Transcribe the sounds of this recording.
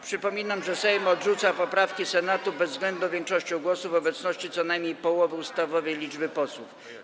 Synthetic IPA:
pʂɘpɔmʲinamʐɛsɛjmɔd̪ʐut̪sapɔpɾafkʲisɛnat̪ubɛzːɡlɛnd̪nuvʲjɛŋkʂɔɕt͡ɕɔ̃w̃ɡwɔsuvɔbɛt̪snɔɕt͡ɕit̪sɔnajmɲejpɔwɔvɘust̪avɔvɛjlʲid͡ʐbɘpɔswuf

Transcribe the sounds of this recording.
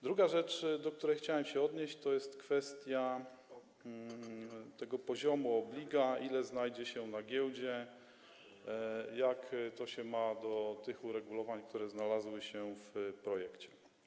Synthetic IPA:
d̪ɾuɡaʐɛt͡ʂd̪ɔk̚t̪uɾɛjxt͡ɕawɛmɕɛɔd̪ɲeɕt͡ɕt̪ɔjɛst̪kfɛst̪ʲja | t̪ɛɡɔpɔʑɔmuɔblʲiɡailɛznajd͡ʑɛɕɛnaɡʲjɛwd͡ʑɛ | jakt̪ɔɕɛmad̪ɔt̪ɘxuɾɛɡulɔvaɲk̚t̪uɾɛznalazwɘɕɛfpɾɔjɛkt͡ɕɛ̥

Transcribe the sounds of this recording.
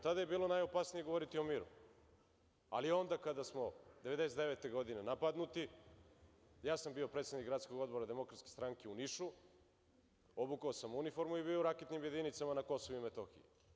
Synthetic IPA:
t̪ad̪ajebiːlˠo̞najo̞pasnije̞ɡoo̞ɾit̪io̞miɾṵ | a̰lio̞nd̪akad̪asmo̞d̪eʋed̪eset̪d̪e̞ʋet̪eɡo̞d̪ine̞napad̪nut̪i | jaːsambio̞pɾet̪sed̪nikɡɾat̪skoɡo̞d̪bo̞ɾad̪e̞mo̞kɾat̪skest̪ɾaŋkeuniʃu | obukaosamunifo̞ɾmuiβioɾaket̪nimje̞d̪init̪samanako̞soʋuimet̪o̞xḭji

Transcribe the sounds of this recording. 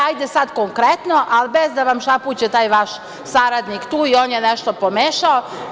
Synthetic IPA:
ajd̪esad̪koŋkɾet̪noʔalbezd̪aʋamʃapuːt͡ɕet̪aːjʋaʃ | saɾad̪nikt̪uːioːnjenɛʃt̪o̞pomeːʃao

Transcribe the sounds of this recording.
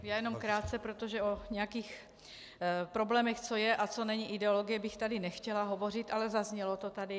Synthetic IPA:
jaːjɛnomkɾaːt̪̚t͡sɛpɾot̪oʒɛoɲɛjakiːx | pɾo̞blɛːmɛxt͡so̞jɛʔat͡so̞nɛɲiʔɪdɛolo̞ɡɪjɛbɪxt̪adɪnɛxcɛlaɦo̞vo̞r̝ɪt̪ʔalɛzazɲɛlot̪ot̪adɪ

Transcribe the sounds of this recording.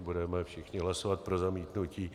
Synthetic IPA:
budɛmɛfʃɪxɲɪɦlasovat̪̚pɾozamiːt̪nuciː

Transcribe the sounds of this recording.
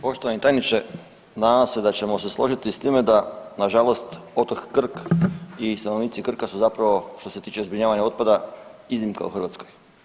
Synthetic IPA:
po̞ʃt̪oanit̪ajnit͡ʃe | naased̪at͡ɕe̞moseslˠo̞ʒit̪ist̪iːmed̪anaʒalˠo̞st̪o̞t̪okːr̩kist̪anoʋniːt̪sikr̩kasuzapɾaʋo̞ʃt̪ose̞t̪iːt͡ʃezbɾiɲaːʋaɲaot̪̚pad̪aizimka̰ṵxrʋat̪sko̞j

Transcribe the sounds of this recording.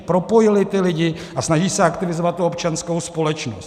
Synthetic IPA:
pɾo̞po̞jɪlɪt̪ɪlɪɟɪ | ʔasnaʒiːsɛakt̪ɪvɪzovat̪̚t̪ːuo̞pt͡ʃansko̞wspo̞lɛt͡ʃnos

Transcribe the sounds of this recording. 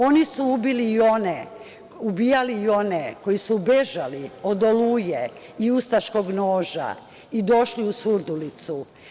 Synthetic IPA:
o̞nisuubiliːo̞ne | ubiːjaliio̞neko̞jisubeʒalio̞d̪oluːje | iust̪aʃko̞ɡnoːʒa̰ | id̪o̞ʃliusuɾd̪ulit̪su

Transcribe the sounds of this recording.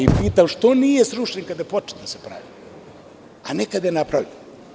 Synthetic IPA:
ipiːt̪amʃt̪onijesɾuʃeɲkad̪jepot͡ʃe̥t̪d̪asepɾa̰ʋi | anekad̪jenapɾaʋʎen

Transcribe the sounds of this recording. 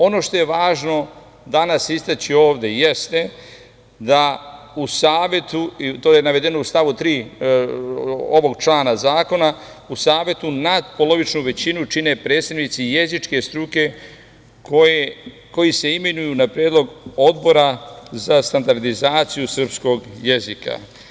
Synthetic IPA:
o̞no̞ʃt̪o̞je̞ʋaːʒno̞ | d̪anasist̪at͡ɕio̞ːʋd̪e̞je̞st̪e̞ | d̪a | usaːʋje̞t̪uit̪oːajenaʋe̞d̪e̞noust̪aʋut̪ɾiː | oʋo̞ɡt͡ʃlaːnazaːko̞na | usaːʋje̞t̪unad̪po̞lo̞ʋit͡ʃnuʋe̞t͡ɕinut͡ʃine̞pɾe̞ːt̪st̪aʋnit̪sije̞zit͡ʃke̞st̪ɾuke̞ | ke | ko̞jise̞imenujunapɾjeːd̪lˠo̞ɡo̞d̪bo̞ɾazast̪and̪aɾd̪izaːt̪sijusr̩psko̞ɡje̞zika̰

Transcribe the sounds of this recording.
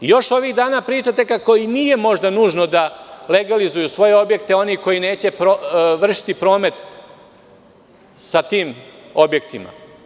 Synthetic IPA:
ijo̞ʃo̞ʋiɣd̪aːnapɾiːt͡ʂat̪e̞kako̞iniːje̞mo̞ʒd̪anuːʒno̞d̪aleɡalizujusʋo̞je̞o̞bje̞kt̪e̞o̞niko̞jine̞ːt͡ɕe̞pɾoʋr̩ʃi̥t̪ipɾo̞ːme̞t̪ | sat̪iːmo̞bje̞k̚t̪ima̰

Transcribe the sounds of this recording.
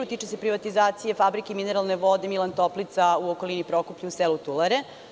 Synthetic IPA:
ut̪iːt͡ʃese̞pɾiʋat̪izaːt̪sije̞fabɾikeimineɾalˠne̞ʋod̪e̞milˠant̪o̞plit̪sauokolinipɾo̞kupʎuuselut̪ulaɾe

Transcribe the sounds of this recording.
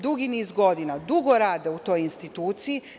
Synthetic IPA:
d̪uɡiniːzɡo̞d̪inad̪uɡo̞ɾaːd̪eut̪o̞ːjinst̪it̪uːt̪siji

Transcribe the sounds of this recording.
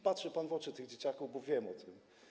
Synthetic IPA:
patʂɛpanvɔt͡ʂɘt̪ɘɣd͡ʑet͡ɕakuvbɔvʲjɛmɔt̪ʰɘm

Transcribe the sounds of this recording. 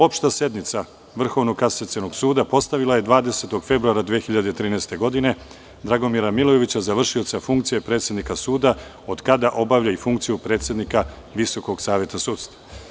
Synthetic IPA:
opʃt̪ase̞d̪nit̪sa | ʋr̩xo̞ʋnokaset̪senoɡsuːd̪apo̞st̪aʋilˠaje̞d̪ʋaːd̪e̞se̞t̪o̞ɡfe̞bɾuaɾad̪ʋexiʎad̪et̪ɾiːnɛːst̪e̞ɡo̞d̪ine̞ | d̪ɾaɡo̞miɾamilˠoje̞ʋit͡ɕazaʋr̩ʃio̞t̪safuŋkt̪sije̞pɾe̞ːt̪sjed̪nikasuːd̪a | o̞d̪kad̪aʔo̞baʋʎaifuŋkt̪sijupɾe̞ːt̪sje̞d̪nika | ʋiso̞ko̞ɡsaːʋje̞t̪asuːt̪st̪va

